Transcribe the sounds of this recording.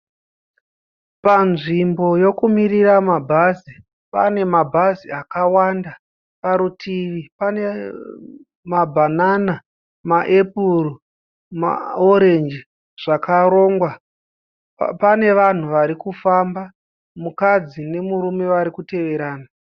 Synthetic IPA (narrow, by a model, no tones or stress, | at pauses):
panʐimbo̞jo̞kumiriramabʱazi | pane̞mabʱaziakawanda | paɾutʰiʋipane | mabʱanana | maʔepur | ma̰oɾe̞nd͡ʒi | ʐ̥akaɾo̞ːŋɡwa | pane̞ʋan̤uʋaɾikufamba | mukad͡zine̞muɾume̞ʋaɾikute̞ʋe̞ɾaːna